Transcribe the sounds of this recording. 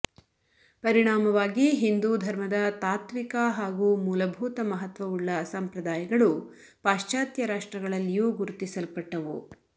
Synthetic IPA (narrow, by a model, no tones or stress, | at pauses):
pɐɾiɳaːmɐʋaːɡiɦind̪uːd̪ʱɐɾmɐd̪ɐt̪aːt̪ʋikɐɦaːɡuːmuːlɐbʱuːt̪ɐmɐɦɐt̪ʋɐuɭːɐsɐmpɾɐd̪aːjɐɡɐɭu | paːʂt͡ʃaːt̪jɐɾaːʂʈɾɐɡɐɭɐlːijuːɡuɾut̪isɐlpɐʈːɐʋṵ